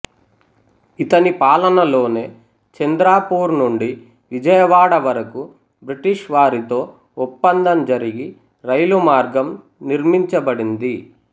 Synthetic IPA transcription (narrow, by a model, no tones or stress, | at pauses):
it̪ɐnipaːlɐnɐlo̞ːne̞ː | t͡ʃɐnd̪ɾaːpuːɾnuɳɖi | ʋid͡ʒɐjɐʋaːɽɐʋɐɾɐku | bɾiʈiʂʋaːɾit̪o̞ː | upːɐnd̪ɐmd͡ʒɐɾiɡi | ɾɐjlumaːɾɡɐm | niɾmiɲt͡ʃɐbɐɽind̪i